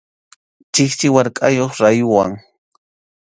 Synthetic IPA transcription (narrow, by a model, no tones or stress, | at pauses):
t͡ʃɪkt͡ʃɪwaɾkʼajoχɾajʊwaŋ